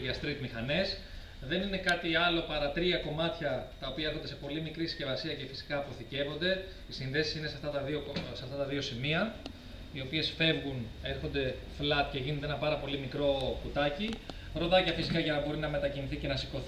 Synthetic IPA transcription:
ɐst̪ɾit̪mixɐne̞s | ðe̞nine̞kɐt̪iɐlo̞pɐɾɐt̪ɾiɐko̞mɐt̪çɐt̪ɐopiɐeɾxo̞nd̪espo̞limikɾisi̥sce̞vɐsiɐce̞fi̥si̥kɐːpo̞θice̞vond̪e̞ | isinðe̞si̥sinesɐft̪ɐt̪ɐðioseɐft̪ɐt̪ɐðio̞simiɐ | io̞pie̞sfe̞vɣune̞ɾxo̞nd̪e̞ | flɐt̪̚ce̞ʝind̪eenɐpɐɾɐpo̞limikɾo̞kut̪ɐci | ɾo̞ðɐcɐfisikɐʝɐnɐbo̞ɾinɐme̞t̪ɐciniθice̞nɐsiko̞θ

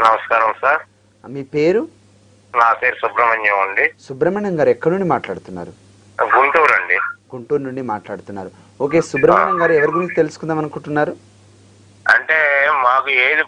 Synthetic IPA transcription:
nɐmɐskaːɾɐmsaːɾ | miːpeːɾu | naːpe̞ːɾusubɾɐmɐɲːɐɐɳɖisubɾɐmɐɳɐŋɡaːɾɛkːɐɽnuɳɖimaːʈlaːɽut̪unːa̰ːɾu | ɡuɳʈuːɾɐɳɖiɡ̥uɳʈuːɾnuɳɖimaːʈlaːɽut̪unːa̰ːɾu | o̞ːke̞ːsubɾɐmɐɳɐŋɡaːɾuɛʋɐɾiɡuɾuɲt͡ʃit̪e̞lusu̥kund̪aːmɐnɐŋkuɳʈunːaːɾu | ɐ̰ɳʈeːmaːkueːd̪i

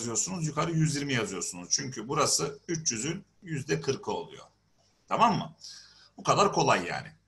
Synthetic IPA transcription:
zɯjo̞ɾsunuzjykʰaɾɯjyzjiɾmijazɯjo̞ɾsunuz̥t͡ʃʰyɲcʰybuɾasɯyt͡ʃjyzyn | jyzd̪ɛkʰɯɾkʰɯo̞̰lˠṵjo̞̰ | t̪ʰamamːɯ̰ | bukʰad̪aɾkʰo̞lˠajːa̰ːnɪ̰

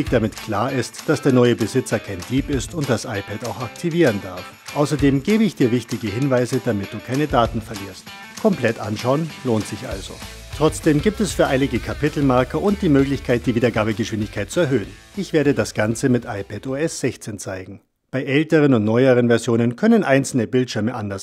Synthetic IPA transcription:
içd̥amɪtkʰl̥aːɐɪstd̥asd̥eːɐnɔʏəbəzɪt͡sɐkʰaɪndiːpɪstʊnt̚d̥asʔaɪpʰɛtaʊxak̚tʰiviːʁəndaɐf | ʔaʊsɐdeːmɡeːbəɪçd̥iːɐvɪçtɪɡəhɪnvaɪzədamɪt̚d̥uːkʰaɪnədaːtn̩fɛɐliːɐst | kʰɔmpl̥ɛtʔa̰nʃaʊənloːntz̥ɪçʔa̰lzo̰ | tʁ̥ɔt͡sd̥eːmɡiːp̚tɛsfyːɐʔaɪnɪɡəkʰapɪtl̩maɐkɐʔʊnt̚d̥iːmøːɡlɪçkʰaɪt̚d̥iːviːdɐɡaːbəɡəʃv̥ɪndɪçkʰaɪt̚t͡suɛɐɦøːən | ʔɪçv̥eːɐɾədasɡ̥ant͡səmɪtʔa̰ɪpʰɛtoːɛsz̥ɛçt͡seːnt͡saɪɡŋ̩ | b̥aɪʔɛltəʁənʊntnɔʏəʁ̞ənvɛɐzjoːnənkʰœnənʔaɪnt͡sl̩nəbɪltʃɪɐməʔandɐs

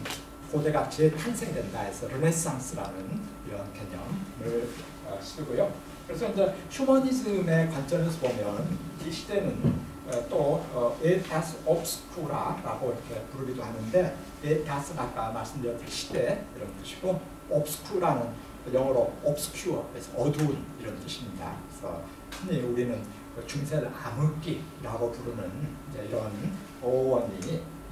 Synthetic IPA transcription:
kodeɡat͡ɕʰitʰansʰe̞ŋdwe̞ndaesʰʌɾɯɾesaŋs͈ʰɯɾa̰nɯn | iɾʌnkeɲʌmmɯɭ | ʌ̰s͈ɯɡojo | kɯɾe̞sʰʌind͡ʑe̞ɕʰumʌɲisɯme̞kwant͡ɕ͈ʌnesʰʌbomjʌniɕʰide̞nɯn | et͈oetasʰɯʌp̚sʰɯ̥kʰuɾa̰ɾa̰ɡoiɾʌkʰe̞puɾɯɡidohanɯnde̞ | et͈as͈ʰɯnak͈amaɭs͈ɯmdɯɾjʌt͈ɯɕʰi̥de̞iɾʌnt͈ɯɕʰi̥ɡ̥o | ʌp̚sɯ̥kʰuɾanɯn | jʌŋʌɾoʌp̚s͈ʰɯ̥kʰjuʌkesʰʌʌdouniɾʌntɯɕʰimɲida̰kɯesʰʌ̰ | kʰɯmiuɾinɯn | t͡ɕuŋsʰeɾɯamɯk͈iɾaɡopuɾunɯnid͡ʑe̞iɾʌn | ʌowʌɲi

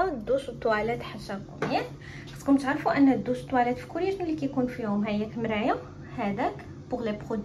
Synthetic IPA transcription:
d̪ːuʃt̪ːˤwælæt̪ħaʃːækʊmjæt | ħæt̪kʊmt̪aʕɾfuʔænːæd̪ːuʃt̪ːˤwælæt̪fi̥kuɾjæʒnulːikæjkunfihʊmɦæjːækmɾæjæ | hæd̪æk | bʊɣlæbχod̪

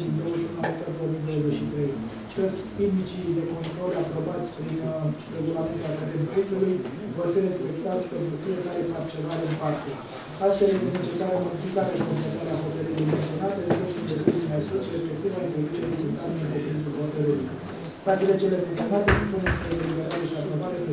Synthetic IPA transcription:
d̪owəʃunulasut̪əbɾoomijd̪owoze̞ʃit̪ɾe̞j | t̪o̞t̪sʲp̪imit͡ʃid̪e̞ko̞nt̪ɾo̞lapɾo̞bat̪sʲpɾinre̞ɡulament̪ak̪at̪enpɾisuluj | vo̞rfiɾe̞spe̞kt̪at̪sʲpe̞nt̪ɾufije̞kaɾe̞kakt͡ʃonaɾeɨnpakt̪u | ast̪fe̞lje̞st̪ene̞t͡ʃe̞saɾəmo̞d̪iflikaɾeaʃikompɾet̪aɾeaɦot̪eɾilujment̪sio̞nalt̪esosiinve̞st̪it̪sʲinajsusre̞spe̞kt̪ivaifekit͡ʃelisunt̪anenpot̪insulɦot̪eɾuluj | fat̪silet͡ʃelement̪sʲio̞nat̪e̞supunespɾezelibeɾaɾe̞ʃiapɾo̞vaɾepe

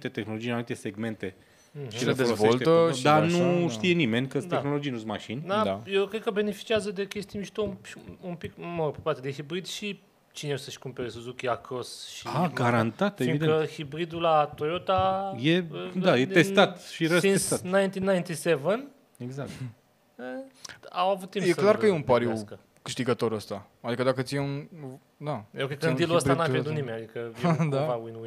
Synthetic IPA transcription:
t̪e̞t̪exnolo̞d͡ʒienavit̪ese̞ɡme̞nt̪e̞ | m̩ʃilefd̪eolosveʃlt̪eəd̪anuʃt̪ije̞nime̞nʲkəst̪exno̞lo̞d͡ʒijnusmaʃinʲd̪aajewkɾed̪kəbe̞ne̞fi̥t͡ʃiazəd̪ekʲest̪imiʃt̪oumʃiumpikmoɾpepaɾrt̪ed̪ixibɾid̪ʃi | t͡ʃineosəʃkumpe̞ɾesuzukʲiakʰosʃiaɡaɾant̪at̪eviŋid̪keəhibɾid̪ulat̪ojot̪ajed̪ajeesat̪ʃiɾəsinest̪anajnt̪inajnt̪isevən | eɡzak̚t̪ | əawavut̪ːimjesklaɾrkkəjeunpaɾju | kɨʃt̪iɡət̪o̞ɾəst̪a | ad̪ikəd̪akət̪sijeun | d̪aeokejkəniluəst̪anuaved̪unimenʲad̪ikəd̪apawinwi

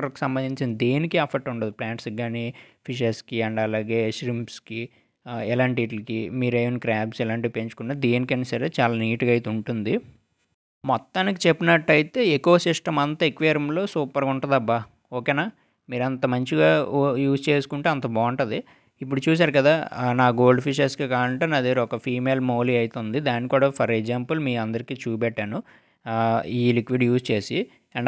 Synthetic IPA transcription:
ɾki̥sɐmbɐnd̪iɲt͡ʃinɐd̪e̞ːnikiɐpʰɐɾʈuɳʈɐnd̪iplaːɳʈsɡaːni | pʰiʃ̬eɾskiɐɳɖɐlaːɡe̞ːʃɾimpski | ɛlaːɳʈ̬iːʈlɐkimiːɾeːnikɾaːbsɛlaːɳʈipe̞ɲt͡ʃu̥kunːaːd̪e̞ːnikɐnisɐɾeːt͡ʃaːlaːniːʈuɡɐːjt̪euɳʈund̪i | mɔt̪ːaːnikit͡ʃe̞pːinɐʈːɐjit̪e̞ːeko̞ːsiʂʈɐmɐnt̪ɐekʋeːɾɐmlo̞ːsuːpɐɾkuɳʈɐd̪ɐbːɐ | oːkeːnaː | miːɾɐnt̪ɐmɐɲt͡ʃiɡaːjuːst͡ʃe̞ːsu̥kuɳʈeːɐnt̪ɐbaːɐɳʈɐd̪i | ip̬ːuɽut͡ʃuːs̬aːɾukɐd̪aːnaːɡo̞ːɭɖpʰiʃ̬ɐɾskikaːɐɳʈeːnɐd̪eɾɔkɐpʰiːmeːlmoːliɐjt̪ond̪id̪aːnikuːɽaːpʰɐɾeɡzaːmpɐlmiːɐnd̪ɐɾikiːt͡ʃuːpɛʈːaːnu | iːlikʋiɖjuːst͡ʃe̞ːsi | ɐɳ

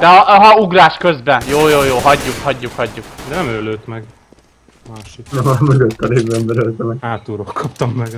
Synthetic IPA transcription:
d̪ɛɒɦɒuɡraːʃkøzbɛnjoːjoːjoːɦɒɟːukhɒɟːukhɒɟːukd̪ɛnɛmøːløːt̪mɛɡ | maːʃit̪nɛmɒmøɡøt̪ːɒleːvːɛnb̪ɛɾølt̪ɛmɛaːt̪uɾokkʰɒp̚t̪ɒmːɛɡ

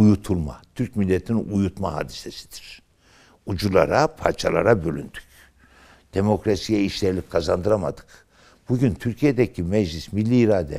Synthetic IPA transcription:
ujut̪ʰulˠma̰t̪ʰyɾc̚milʲːet̪ʰininujut̪maɦa̰ːd̪isesi̥d̪̥iɾ̥ | ud͡ʒulˠa̰ɾapʰa̰ɾt͡ʃʰalˠa̰ɾabølʲynd̪y̥c | d̪̥emo̞kɾasijɛiʃlʲɛɾlʲickʰazand̪ɯɾama̰d̪ɯ̥k | b̥uɟynt̪ʰyɾcʰijed̪ɛcʰimɛd͡ʒlʲismilʲːiːɾaːd̪ɛ̰

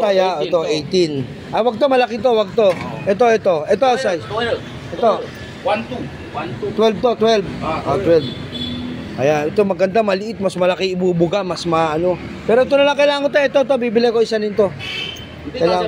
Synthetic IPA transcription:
t̪ajaʔoːt̪oʔejt̪ɪn | ʔɐjwɐɡ̚t̪omɐlɐkɪt̪̬o̞wɐɡ̚t̪o̞ʔɛt̪o̞ʔɛt̪o̞ʔɛt̪osaj | ʔɛt̪o | t̪wɛlb̚t̪ot̪wɛlbʔot̪wɛlb | ʔɐjanɛt̪o̞mɐɡɐnd̪amɐlɪʔɪt̪̚mɐsmɐlɐkɪɪbubʊɡamɐsmɐʔɐno̞ | pɛːɾoɛt̪onɐlaŋkɐjlaːɐŋkot̪̬ajʔɛt̪ot̪obibɪlɛjkoɪsanɪnt̪o̞ | kɐjlaː

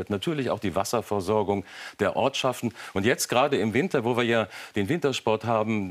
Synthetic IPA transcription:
ɐtnatʰyːɐlɪça̰ʊxd̥iːva̰sɐfɛɐzɔɐɡʊŋd̥eːɐʔɔ̰ɐtʃaftn̩ʔʊntjɛt͡stɡ̥ʁaːdəɪmvɪntɐvoːviːɐjaːd̥eːnvɪntɐʃpɔɐtɦaːbm̩

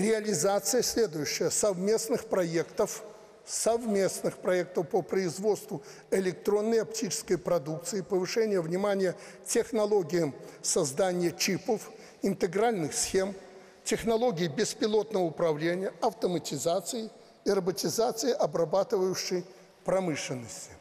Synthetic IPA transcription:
rʲɪɐlʲɪzat̪sɨjəsʲlʲe̞d̪ʊjʉɕːɪjəsɐvmʲe̞snɨxpɾɐe̞kt̪əf | sɐvmʲe̞snɨxpɾɐe̞k̚t̪əfpəpɾəɪzvo̞t̪st̪vʊ | ɪlʲɪk̚t̪ɾo̞nːəjɐptʲit͡ʃɪ̥skəjpɾɐd̪uk̚t̪sɨɪpəvɨʂɛnʲɪjəvnʲɪmanʲɪjə | tʲɪxnɐlˠo̞ɡʲɪɪsɐzd̪anʲɪjət͡ɕipəf | ɪnt̪ɨɡɾalʲnɨxsxʲe̞m | tʲɪxnɐlˠo̞ɡʲɪɪbʲɪspʲɪlˠo̞t̪nəvəʊpɾɐvlʲenʲɪjəɐft̪əmətʲɪzat̪sɨjɪ | ɪrəbətʲɪzat̪sɨjɪʔɐbrɐbat̪ɨvəjʊɕːɪj | pɾɐmɨʂlʲɪnːəsʲtʲɪ̥

